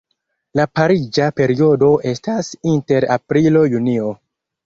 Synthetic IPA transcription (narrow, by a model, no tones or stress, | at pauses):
lapaɾid͡ʒape̞ɾio̞do̞ʔe̞stasinte̞ɾa̰pɾilo̞junio̞